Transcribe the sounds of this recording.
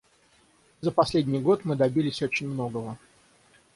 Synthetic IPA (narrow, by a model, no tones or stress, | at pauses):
zəpɐsʲlʲedʲnʲɪjɡo̞t̪mɨd̪ɐbʲilʲɪsʲo̞t͡ɕɪnʲmno̞ɡəvə